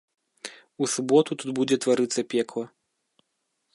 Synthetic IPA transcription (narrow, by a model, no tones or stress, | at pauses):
usubɔt̪ut̪ud̪bud͡zʲɛt̪vaɾɨt̪sːɐpʲɛklˠɐ